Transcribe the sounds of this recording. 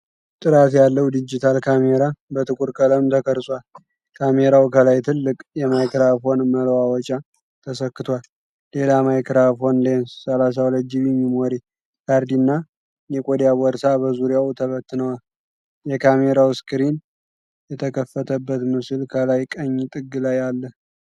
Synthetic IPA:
t̪ʼɨɾat̪jalːəwd̪ɨd͡ʒit̪ʰalkʰameɾabət̪ʰʼɨkʼuɾkʼələmt̪ʰəkʰəɾsʼwal | kʰameɾawkʰəlajt̪ʰɨlːɨkʼjɛmajkɾafo̞nməlwawɔt͡ʃʼa | t̪ʰəsəkːɨt̪ʰwalː | e̞lamajkɾafo̞nlensːəlas̬awləd͡ʒiβimːimoɾe | kʰaɾd̪inːa | jɛkʼod̪jabɔɾsabəzuɾjawt̪ʰəβət̪ːɨnəwal | jɛkʰame̞ɾawskɨɾin | jɛt̪ʰəkʰəfːət̪ʰəbːət̪mɨsɨlkʰəlajkʼəɲːt̪ʼɨɡːɨlajalːəh

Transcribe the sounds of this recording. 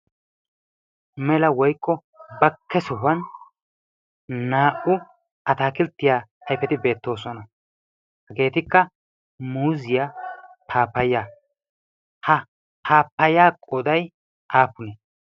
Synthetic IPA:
mɛlɐwɔjkːɔ | bɐkːɛsɔɦɐn | naːʔʊ | ɐt̪aːkɪlt̪ːɪjaːɐjfɛt̪ɪbe̞ːt̪ːo̞ːsɔnɐ | hɐɡe̞ːt̪ɪkːɐ | muːzɪjapʰaːpːɐja | hɐ | pʰaːpːɐjaːkʼɔd̪ɐj | ʔaːpʊnɛ

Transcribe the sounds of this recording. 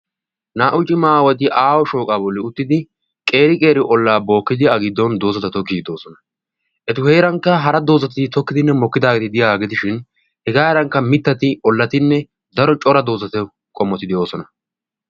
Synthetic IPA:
naːʔʊt͡ʃʼːɪmaːwɔd̪ɪʔaːwɔʃo̞ːkʼaːbɔlːɪʊt̪ːɪd̪ɪ | kʼe̞ːɾɪkʼe̞ːɾɪʔɔlːaːbo̞ːkːɪd̪ɪɐɡɪd̪ːɔnd̪o̞ːzɐt̪ɐt̪ɔkːid̪o̞ːsɔnɐ | ʔɛt̪ʊheːɾɐŋkːɐɦɐɾɐd̪o̞ːzɐt̪̬ɪt̪ɔkːɪd̪ɪnːɛmɔkːɪd̪aːɡet̪ɪd̪ɪjaːɡɪt̪ɪʃɪn | hɛɡaːɾɐŋkːɐmɪt̪ːɐt̪ɪʔɔlːɐt̪ɪnːɛ | d̪ɐɾɔt͡ʃʼɔɾɐd̪o̞ːzɐt̪ɛ | kʼɔmːɔt̪ːɪd̪ɪjo̞ːsɔnɐ

